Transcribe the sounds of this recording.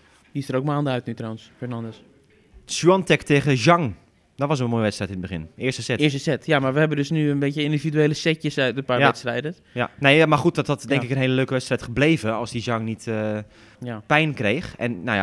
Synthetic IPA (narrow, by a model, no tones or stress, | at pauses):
distəɾoːkmaːndəœɥtnytrowənsfɛɹnɑndəs | suɔntɛkteːɣəʒɔŋ | dɔtʋɑs̬ənmoːjəʋɛtstrɛjtɪnəd̚bəχɪnɪːstəsɛtːsəsɛtjamaɹʋəhɛbəndøsnyənbetjəɪndividyejləsɛtjəsaɥtənpaːjɛtstrɛjdə | ja̰nejamarχut̚dɔtɔtdɛŋkɪkənɦeːləløːkəʋɛtstrɛjtχəblejvəɔlˠsdizjɑŋnitə | pɛjnkrejxɛ̰nːoja̰